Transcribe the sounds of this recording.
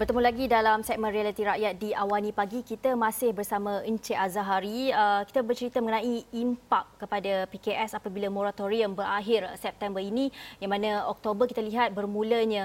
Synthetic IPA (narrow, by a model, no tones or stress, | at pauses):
bərt̪əmulaɡidalamsɛk̚mə̃nɾialit̪iɾaʔjat̪̚diawanĩpaɡikit̪əmãsɪhbərsamãəɲt͡ʃeʔazaɦaɾiəki̥t̪abərt͡ʃəɾit̪əməŋənãiimpakːəpadapikeʔɛsapabilamoɾat̪oɾiəmbəɾaɦɪrsɛp̚t̪ɛmbərinĩjaŋmãnãɔk̚t̪obərkit̪aliɦat̪̚bərmũləɲã